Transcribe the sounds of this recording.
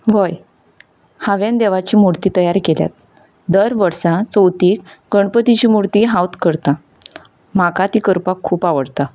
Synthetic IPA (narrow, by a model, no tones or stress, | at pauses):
ʋoj | haʋend̪eʋat͡ɕiːmuɾt̪iːt̪əjaɾkelja̰t̪̚ | d̪əɾʋəɾsat͡səwt̪iːkɡəɳpət̪it͡ɕiːmuɽt̪iːɦãwt̪kəɾt̪a | makat̪iːkəɾpakʰːuːpaʋəɽt̪a